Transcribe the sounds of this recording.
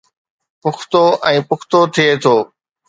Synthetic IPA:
pʊkʰt̪oɛ̃ːpʊkʰt̪ot̪ʰiet̪ʰoː

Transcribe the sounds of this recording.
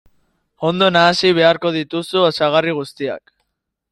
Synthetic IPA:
o̞nd̪o̞naːsiβ̞e̞aɾko̞ð̞it̪usuasaɣ̞ariɣ̞ust̪ia̰k

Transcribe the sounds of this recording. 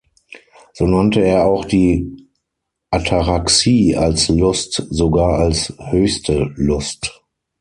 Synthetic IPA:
z̥oːnantəeːɐaʊxd̥iː | ʔatʰaʁaksiːalslʊstzoɡaːɐalshøːçstʰəlʊst

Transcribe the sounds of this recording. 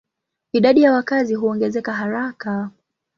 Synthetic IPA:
iɗaɗijawakaziɦuɔŋɡɛzɛkaɦaɾaka

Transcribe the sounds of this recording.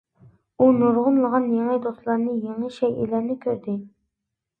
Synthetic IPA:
unuɾʁʊnlˠəʁɑnjeŋɨd̪oslˠɑɾnɨjeŋəʃɛjʔḭlæɾnɪkʲʰøɾd̪ɪ

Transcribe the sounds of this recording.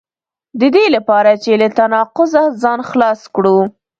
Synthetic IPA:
d̪əd̪elapɑɾat͡ʃelat̪anɑqʊzazɑnxlɑskɽu

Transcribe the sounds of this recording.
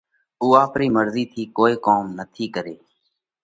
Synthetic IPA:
uːaːpɾiːməɾziːt̪ʰiːkoːiːkoːmnət̪ʰiːkəɾḛː

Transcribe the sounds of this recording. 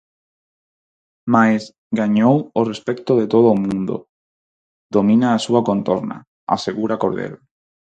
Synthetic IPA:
majs | ɣaɲoworespekt̪oðet̪oð̞oːmũnd̪o̰ | d̪omĩnaːsuakont̪oɾna̰ | a̰seɣuɾakoɾðḛɾ

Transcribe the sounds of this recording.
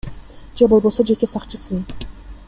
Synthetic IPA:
d͡ʒebo̞lˠβo̞so̞d͡ʒe̞ke̞sɑqt͡ʃɯsɨ

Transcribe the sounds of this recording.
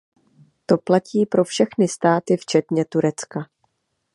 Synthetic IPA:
t̪o̞placiːpɾo̞fʃɛxnɪst̪aːt̪ɪft͡ʃɛt̪ɲɛt̪uɾɛt͡ska

